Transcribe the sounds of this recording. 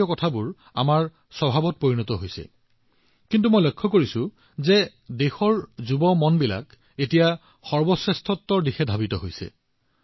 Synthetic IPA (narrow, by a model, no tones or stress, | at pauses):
ɔkɔtʰabʊɹ | a̰maɹ | sɔbʱabɔt̚poɹinɔtɔɦojsɛ̰ | kintumɔjlɔjkʰːɔkoɹisʊ̃ | zɛ | dexɔɹzubɔmɔnbila̰k | etija | xɔɹbɔsɹɛstʰɔtːɔɹdixɛdʱabitɔɦojsɛ̰